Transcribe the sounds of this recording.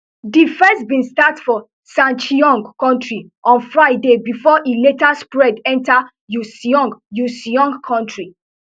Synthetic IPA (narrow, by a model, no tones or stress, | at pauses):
difɛ̃sbĩnstatfɔ | sãnt͡ʃiɔ̃ŋɡkɔ̃ntɹi | ʔɔ̃nfɹaɪdebifɔʔiletaspɹɛdɛ̃nta | jusiɔ̃ŋɡjusiɔ̃ŋɡkʰɔ̃ntɹi